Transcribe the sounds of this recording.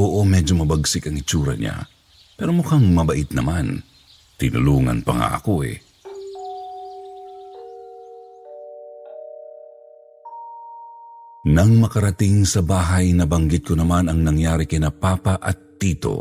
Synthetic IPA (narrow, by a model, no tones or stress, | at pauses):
oʔomɛːd͡ʒomɐbɐɡsɪkɐŋɪt͡ʃuːɾɐ̰ɲa̰ | pɛːɾomʊkaŋmɐbɐʔɪt̪̚nɐman | t̪ɪnʊ̰luːŋɐ̰npɐ̰ŋa̰ʔɐ̰koʔɛ̰ | nɐŋmɐkɐɾɐt̪ɪŋsɐbaːɦɐjnɐbɐŋɡɪt̪̚konɐmanɐŋnɐŋjaːɾɪkɐnɐpaːpaʔɐ̰t̪ːiːt̪o̞̰